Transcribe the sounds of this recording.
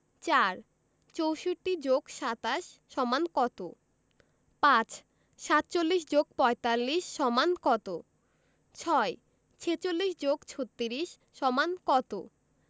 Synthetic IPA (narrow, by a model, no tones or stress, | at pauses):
t͡ɕaɾ | t͡ɕowʃoʈːid͡ʑoɡʃat̪aʃːɔmankɔt̪o | pãt͡ɕ | ʃat̪̚t͡ɕolːiʃ̬d͡ʑoɡ̚pɔet̪alːiʃːɔmankɔt̪o | t͡ɕʰɔe | t͡ɕʰet͡ɕolːiʃ̬d͡ʑoɡt͡ɕʰot̪ːiɾiʃ | ʃɔmankɔt̪o